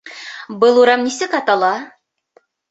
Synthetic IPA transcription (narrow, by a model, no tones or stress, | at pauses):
bɤlˠuɾɑmnisɘkɑt̪ɑlˠɑ